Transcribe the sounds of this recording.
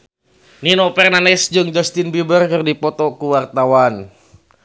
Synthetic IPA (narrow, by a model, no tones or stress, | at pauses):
ninopɛrnanɛsd͡ʒɨŋd͡ʒɔst̪ɪnbibərkɨrdipɔt̪ɔkuwart̪awan